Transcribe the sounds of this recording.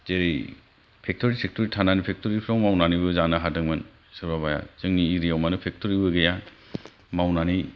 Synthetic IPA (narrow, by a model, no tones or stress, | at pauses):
zeɾej | pʰek̚tʰɔɾisek̚tʰɔɾitʰananipʰek̚tʰɔɾipʰɾɔŋmawnanibɯzanɯɦadɯŋmɯn | sɯɾbaβaja̰zɯŋniːɾijawmanɯpʰek̚tʰɔɾibɯɡeja | mawnani